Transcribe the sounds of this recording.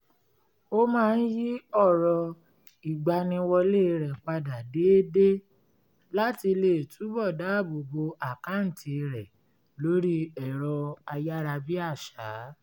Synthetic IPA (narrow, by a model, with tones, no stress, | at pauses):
o˦mãː˦˧n̩˦ji˦ɔ˦˨ɾɔ˨ | i˨ɡ͡ba˨nĩ˧wɔ˧le˦˨˧ɾɛ˨k͡pa˧da˨de˨˦de˦ | la˦ti˧le˨tʰu˨˦bɔ˦˨daː˨˦˨bo˨bo˧ʔa˨ka˨˦n̩˨tʰi˧ɾɛ˨ | lo˨˦ɾi˦ɛ˦˨ɾɔ˧a˧ja˦ɾa˧bi˦a˦˨ʃaː˨˦